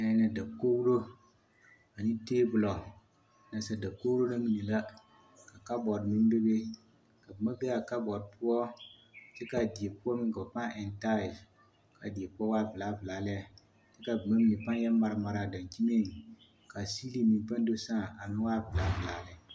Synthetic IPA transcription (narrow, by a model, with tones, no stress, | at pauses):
a˨˦na˨da˨ko˦wu˦ɾo˦ | a˨ni˦teː˦bʊ˨lɔ˨ | na˨sa˨da˨ko˦wu˦ɾo˦na˦mi˨ni˨la˦ | ka˨ka˦bɔ˨ɾnĩ˦m˦be˦be˦ | ka˨bɨ˨ma˦be˦a˨ka˦bɔ˨dpu˦ɔ˦ti˦ka˨di˨e˨pu˦ɔ˦mi˦ka˨pa˦ɛ˨nta˦˨ | ka˨di˨e˨pu˦ɔ˦wa˦˨vɨ˨la˦vɨ˨laː˨˦lɛ˦ɛ˨ | ti˦ka˨bɨ˨ma˦mi˨ni˨pa˦jɛ˦mːa˨ɾɪ˦ma˨ɾa˨da˨nki˦me˦ŋ˨ | ka˨si˦li˦mi˨pa˦ndo˦sã˦˨a˨mɪ̃˦waː˦˨vɨ˨la˦vɨ˨la˨˦lɪ˨